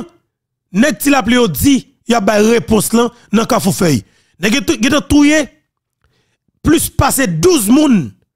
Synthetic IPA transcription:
nɛɡ̚tilap̬lijod͡zi | jap̚bajʁepɔ̃slɐ̃ | nɐ̃kafufœj | nɛ̃ɡɡɛ̃t̪ɐ̃t̪uje | plyspased̪uzmũn

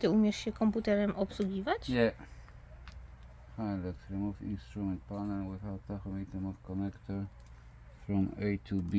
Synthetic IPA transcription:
t̪ɨumʲjɛʂɕɛkɔmput̪ɛɾɛmʔɔpswuɡʲivat͡ɕjɛ | hajlɛktɾɛmɔfḭ̃nst̪ɾumɛ̃nt̪̚panəɹwɪθawt̪̚ðakəmit̪ə̃mɔv̥kɔnɛkt̪ʰəɹ | fɾɔ̃met̪ʰubi

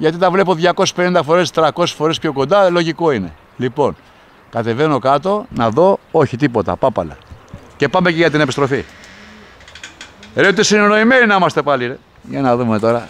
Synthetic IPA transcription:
ʝɐt̪it̪ɐvle̞po̞ðʝɐko̞se̥spe̞nind̪ɐfo̞ɾe̞st̪ɾɐko̞se̥sfo̞ɾepço̞ko̞nd̪ɐlo̞ʝiko̞ine̞̰ | lipo̞n | kɐt̪e̞ve̞no̞kɐt̪o̞nɐðo̞oçit̪ipo̞t̪ɐ̰pɐpɐlɐ̰ce̞pɐmeceʝɐt̪ine̞pist̪ɾo̞fi | ɾet̪esineno̞ime̞ninɐimɐst̪e̞pɐli | ʝɐnɐðume̞t̪o̞ɾɐ

